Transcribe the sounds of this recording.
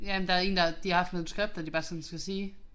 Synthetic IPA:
jæm̩nd̥ɑ̈ɐe̝ːn̩d̥ɑd̥ihɑ̈hɑ̈fd̥noðˠsɡ̥ʁɛb̥̚d̥ædib̥ɑ̈ːsɔ̽n̩sɡ̥æsiː

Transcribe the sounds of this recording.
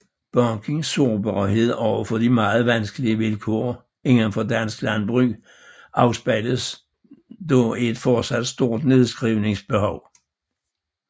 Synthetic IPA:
b̥ɒŋkʰe̝ŋsːo̝ːb̥ɑhe̝ð̞̰ˠɒʊ̰ɐfɒ̽d̥imɑ̈ːð̩ˠʋænsɡ̥əliəʋelkʰo̝̰ːɐ | e̝n̩fɒ̽dæn̰sɡ̥lænb̥ʁyː | ɑ̈ʊsb̥æləs | d̥ɒe̝d̥fɒ̥ːsæd̥sd̥o̝ɐ̰d̥ne̝ðˠsɡ̥ʁiʊne̝ŋsb̥e̝ɦɒʊ̰

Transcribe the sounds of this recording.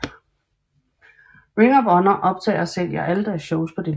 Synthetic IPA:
ʁiŋɒbɒ̽nɐʔɒ̽b̥̚t͡sʰɛ̰ːɐɒsel̰jɑʔæləd̥æɐsɕɔʊspʰɒ̽d̥e

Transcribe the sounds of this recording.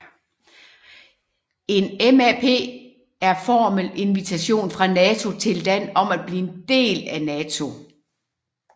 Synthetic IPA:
e̝nemæpʰe̝̰ː | æɐfɒːmele̝nʋit͡sʰæɕo̝̰ːnfʁɑ̈nɛːt͡sʰo̝t͡sʰe̝ldæn̰ɒ̽mæd̥̚b̥liːe̝nd̥e̝̰ːlænɛːt͡sʰo̝

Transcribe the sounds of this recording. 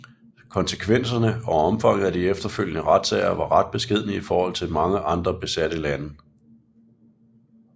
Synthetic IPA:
kʰɒ̽nsəkʰʋen̰sɐnəɒ̽ɒ̽mfɑ̈ŋ̰ð̩ˠæd̥iefd̥ɐføl̰jənəʁɑd̥sɛ̰ɪɐʋɑ̈ʁɑ̈d̥̚b̥e̝sɡ̥e̝ð̞̰ˠn̩iifɒːhɒ̽l̰t͡sʰe̝lmɑ̈ŋəʔɑ̈nd̥ʁɐb̥e̝sæd̥əlænə

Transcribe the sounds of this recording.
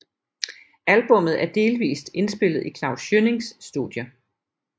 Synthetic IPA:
ælb̥ɔ̽mð̩ˠæɐd̥e̝ːlʋḭːsd̥e̝nsb̥e̝l̰ð̩ˠikʰlɑ̈ʊsjøne̝ŋsːd̥uðˠjɐ

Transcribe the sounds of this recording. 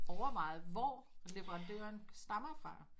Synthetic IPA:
ɒʊɐʋɑ̈ɪð̩ˠʋɒle̝ʋəʁɑ̈nd̥ø̰ɐnsd̥ɑ̈mɐfɑ̈

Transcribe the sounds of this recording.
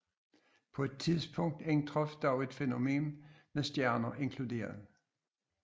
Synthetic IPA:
pʰɒ̽e̝d̥̚t͡sʰiðˠsb̥ʰɔ̽ŋ̰d̥eŋt͡sʰʁɔfd̥ɑ̈ʊe̝d̥feno̝me̝̰ːnmesd̥jæɐnɐʔe̝ŋkʰlud̥e̝̰ːɐð̩ˠ

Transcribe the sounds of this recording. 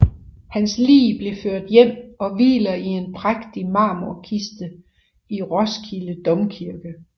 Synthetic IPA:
hænslḭːb̥le̝føɐ̰d̥jem̰ɒ̽ʋḭːlɐie̝npʰʁaɡ̥d̥imɑ̈ːmoɐkʰisd̥ə | iʁɒ̽skʰiləd̥ɒ̽mkʰiɐɡ̥ə

